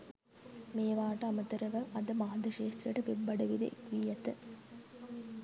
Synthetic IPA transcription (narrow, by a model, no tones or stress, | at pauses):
meːʋaːʈɐɐmɐt̪ɐɾɐʋɐʔɐd̪ɐmad̪ɐʂeːst̪ɾijɐʈɐpebːɐɖɐʋid̪ḛʔḛkʋiːjɐt̪ɨ